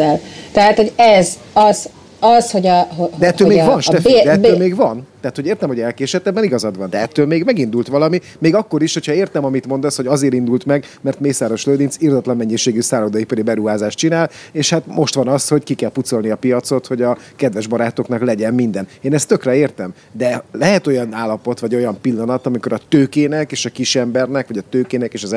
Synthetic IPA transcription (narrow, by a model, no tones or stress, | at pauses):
t̪ɛɦat̪ho̞ɟɛz | ɒz | ɒzho̞ɟɒɦod̪ɛɛt̪ːøːlmeːɡvɒnʃt̪ɛd̪ɛɛt̪øːmeːɡvɒnt̪ɛɦaːt̪hoɟeːrt̪ɛmhoɟɛlkeːʃɛt̪ɛbːɛniɡɒzɒd̪ʋɒnd̪ɛɛt̪ːøːlmeːɡmɛɡind̪ult̪ʋɒlɒmi | meːɡɒkːo̞ɾiʃho̞chɒeːrt̪ɛmɒmit̪mo̞nd̪ɒsho̞ɟɒzeːɾind̪ult̪mɛɡ | mɛrt̪meːsaːɾo̞ʃløːd̪insird̪ɒt̪lɒmːɛɲːiʃeːɡysaːloːd̪ɒjipøɾibɛɾuɦaːzaːʃt͡ʃinaːleːʃhat̪mo̞ʃt̪ʋɒnɒsho̞ckikɛlput̪so̞lniɒpijɒt̪so̞t̪ho̞ɟɒkɛd̪ʋɛʒbɒɾaːt̪oknɒklɛɟɛmmind̪ɛneːnɛst̪ːøkrɛeːrt̪ɛm | d̪ɛlɛɦɛt̪o̞jɒnaːlːɒpo̞t̪ʋɒɟo̞jɒmpilːɒnɒt̪ɒmiko̞ɾɒt̪øːkeːnɛkeːʃɒkiʃɛmbɛrnɛkʋɒɟɒt̪øːkeːnɛkeːʃɒz